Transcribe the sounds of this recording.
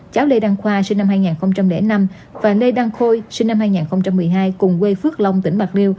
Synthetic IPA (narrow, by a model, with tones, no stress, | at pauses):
t͡ɕaː˨˦wle˧ɗaː˧ŋxwaː˧si˧ŋ̟na˧mɦaː˧jŋaː˨˩nxə˧wŋ͡mt͡ɕa˧mlḛ˧˩˦na˧m | vaː˨˩le˧ɗaː˧ŋxo˧jsi˧ŋ̟na˧mhaː˧jŋaː˨˩nxə˧wŋ͡mt͡ɕa˧mːɨ˨˩əjɦaː˧jkʊ˨˩ŋ͡mkwe˧fɨ˦˥ək̚lə˧wŋ͡mt̪ï˧˩ŋ̟ɓa˨˩k̚li˧əw